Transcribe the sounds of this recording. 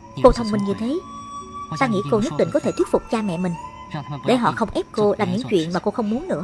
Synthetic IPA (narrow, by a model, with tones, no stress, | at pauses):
ko˧t̪ʰə˧wŋ͡mmï˧ŋɲɨ˧t̪ʰe˨˦ | t̪aː˧ŋḭ˧˥ko˧ɲɨ˦˥t̚ɗḭ˧˨ŋkɔ˨˦t̪ʰe˧˩t̪wi˦˥t̚fʊ˨˩k͡p̚t͡ɕaː˧mɛ̰˧˨mï˨˩ŋ̟ | ɗe˧˩ɦɔ̰˧˨xə˧wŋ͡mʔɛ˦˥p̚ko˧laː˨˩mɲɨ̰˧˥ŋt͡ɕwḭ˧˨ənmaː˨˩ko˧xə˧wŋ͡mmu˨˦ənnɨ̰˧˥ə